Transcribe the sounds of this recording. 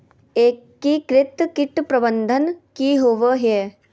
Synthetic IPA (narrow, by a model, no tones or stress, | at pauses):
eːkːikɾɪt̪kɪʈ̪pɾɐbənd̪ʱənkiɦoːʋəɦje